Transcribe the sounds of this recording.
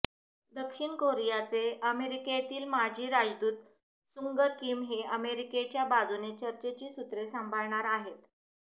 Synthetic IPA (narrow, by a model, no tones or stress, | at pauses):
d̪əkʂiɳkoɾijat͡seəmeɾiket̪iːlmad͡ʑʱiːɾad͡ʑd̪uːt̪ | suŋɡəkiːmɦeəmeɾiket͡ɕjabad͡zunet͡ɕəɾt͡ɕet͡ɕiːsut̪ɾesəmbʱəɭɳaɾaɦet̪